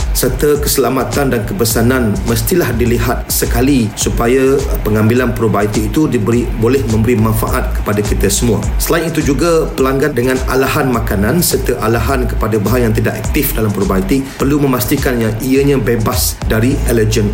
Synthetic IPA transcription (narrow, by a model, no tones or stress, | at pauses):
sərt̪akəsəlamat̪andankəbəsanãnməst̪ilahdiliɦat̪̚səkalisupajapəŋambilanpɾobait̪iːt̪udibəɾibolɛhmə̃mbəɾimãnfa̰ʔat̪̚kə̥padakit̪asəmũa̰səlainit̪ud͡ʒuɡapəlaŋɡandəŋãna̰laɦanmakanãnsərt̪əʔalaɦankə̥padabaɦajaŋt̪idakak̚t̪ɪfdalampɾobait̪ipərlumə̃mast̪ikanjãiaɲãbebasdaɾiʔɛləd͡ʒən